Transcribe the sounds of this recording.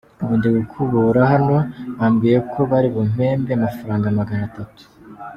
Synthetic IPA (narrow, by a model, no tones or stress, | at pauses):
uβuːndeɡukʰuβuɾaɦano̞βaːmɡijekʰo̞βaɾiβom̥e̞ːmbeamafaɾaːŋɡamaɡanatatu̥